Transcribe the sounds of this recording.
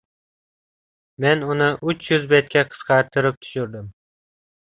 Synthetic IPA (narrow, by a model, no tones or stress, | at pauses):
menʊnɪʔʊt͡ʃʰjʊzbet̪̚kʰʲaqʰɨ̥sqʰɑɾt̪ʰɨɾɪp̚t̪ʰʊ̥ʃʊɾd̪ɪm